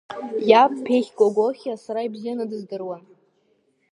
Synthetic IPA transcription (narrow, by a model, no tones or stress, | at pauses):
jap̚ʼpʰeχʲɡʷʼoɡʷoχʲasaɾaibzijanadɨzdɨrwan